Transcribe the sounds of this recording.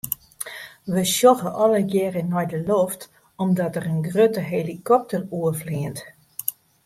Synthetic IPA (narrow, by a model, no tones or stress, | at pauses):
ʋəʃjoxəʔɔləɡɛːrənɔjdəloft | ɔmdɔtərənɡrøtəɦelikɔp̚təruəfliənt